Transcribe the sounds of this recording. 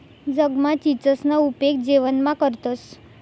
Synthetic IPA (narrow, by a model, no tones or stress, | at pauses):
d͡zəɡmat͡ɕit͡səsnaupek̚d͡ʑeʋənmãkəɾt̪os